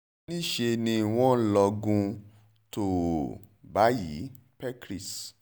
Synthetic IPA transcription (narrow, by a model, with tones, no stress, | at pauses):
ĩ˦˨ʃe˧nĩ˧˨w̃ɔ̃˦lɔ˧ɡũ˧ | to˨ | ba˨˦jḭ˨˦ | pɛ˦kɾi˦˨s